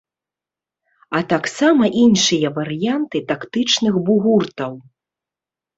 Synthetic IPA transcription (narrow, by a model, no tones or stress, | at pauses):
ɐt̪aksamɐʔinʂɨjɐvɐɾɨjant̪ɨt̪akt̪ɨt͡ʂnɨxbuɣurt̪ɐw